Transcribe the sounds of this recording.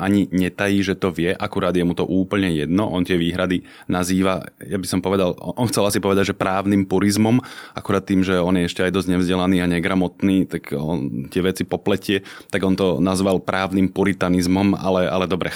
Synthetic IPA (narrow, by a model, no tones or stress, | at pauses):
ʔaɲiɲɛt̪ajiːʒɛt̪ɔʋɪɛʔakuɾaːd̪jɛmut̪ɔʔuːpl̩ɲɛjɛd̪nɔʔɔnt̪ɪɛʋiːɦɾad̪i | naziːʋa̰jabisɔmpɔʋɛd̪alɔnxt͡sɛlasipɔʋɛd̪aɟʒɛpɾaːʊnimpuɾizmɔma̰kuɾaːt̪̚ːiːmʒɛɔnjɛɛʃcɛajd̪ɔzɟɲɛvzɟɛlaniːaɲɛɡɾamɔt̪niːt̪akɔ̰nt̪ɪɛʋɛt͡sipɔplɛcɪɛt̪aɡɔnt̪ɔnazʋalpɾʔaːʊnimpuɾit̪anizmɔma̰lɛʔalɛd̪ɔbɾɛ